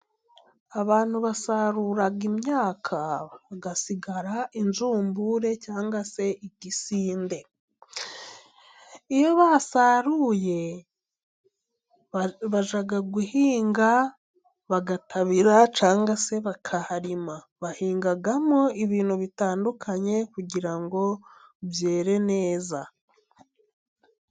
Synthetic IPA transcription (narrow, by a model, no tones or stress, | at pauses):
aβaːn̥huβasaɾuːɾaɡimɲaːkʰaβaɡasiɡaɾaʔinzuːmbuɾe̞caːŋɡase̞iɟisiːnde̞ | ijo̞βasaɾuje̞ | βaʒaɡaɡuhiːŋɡa | βaɡatʰaβiɾat͡ʃaːŋɡase̞βakʰahaɾima | βahiːŋɡaɡamoiβiːnhuβitaːndukʰaɲe̞kuɟiɾaŋɡo̞βje̞ːɾe̞ne̞ːza